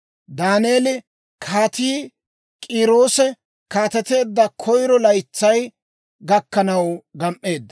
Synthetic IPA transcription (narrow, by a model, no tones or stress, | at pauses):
d̪aːneːlɪ | kʰaːt̪iː | kʼiːɾo̞ːsɛ | kaːt̪ɛt̪e̞ːd̪ːɐkʰɔjɾɔlɐjt͡sːɐj | ɡɐkːɐnɐwɡɐmʔːe̞ːd̪ːɐ